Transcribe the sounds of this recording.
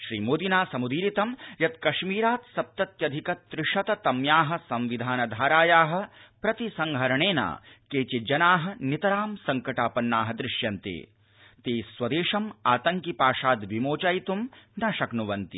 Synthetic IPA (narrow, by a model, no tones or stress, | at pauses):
ʃɾiːmoːd̪inaːsɐmud̪iːɾit̪ɐmjɐt̪kɐʃmiːɾaːt̪sɐp̚t̪ɐt̪jɐd̪ʱikɐt̪ɾɪʂɐt̪ɐt̪ɐmjaːɦɐ̆sɐ̃mʋid̪ʱaːnɐd̪ʱaːɾaːjaːɦɐ̆pɾɐt̪isɐŋɡʱɐɾɐɳeːna̰ːkeːt͡ʃid͡ʒɐnaːɦɐ̆nit̪ɐɾaːmsɐŋkɐʈaːpɐnːaːɦɐd̪ɾɪʃjɐnt̪ḛː | t̪eːswɐd̪eːʃɐmaːt̪ɐŋkipaːʂaːd̪ʋimoːt͡ʃaːjt̪umnɐʃɐknuʋɐnt̪i